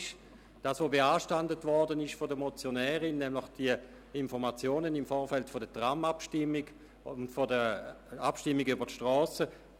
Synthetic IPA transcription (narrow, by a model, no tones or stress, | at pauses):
ʃ | d̥aːsʋoːbeaːʃtandətvɔɐdənɪʃfodəmɔt͡sjonɛːʁɪnːɛmləχd̥iə | ɪnfɔʁmat͡sjoːnənɪmfɔːɐfɛltfodətʁamapʃtɪmːɪɡ | ntfodə | apʃtɪmːɪɡybɐtʃtʁɔːsə